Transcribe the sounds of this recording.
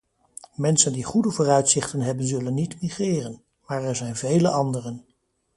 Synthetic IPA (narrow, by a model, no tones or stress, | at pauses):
mɛnsəndiχudəvʊːrœɥtsɪχtənɦɛbənzɵlənːitmiχrɪːrən | maːɹɛɹzɛjnvejləʔɑndərən